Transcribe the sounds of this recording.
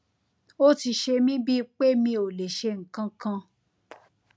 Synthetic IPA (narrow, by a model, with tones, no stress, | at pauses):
o˦ti˧ʃe˧mĩ˦bi˦˧k͡pe˦mĩ˧o˨le˨ʃe˧ŋ̩˨kã˧kã˧